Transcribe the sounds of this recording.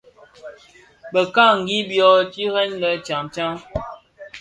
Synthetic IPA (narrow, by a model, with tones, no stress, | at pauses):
bə˨ka˦˨ŋ̩˨ɡi˦bjɔ˦ti˦ɾɛ˦nlə˨t͡ʃa˨mt͡ʃa˦ŋ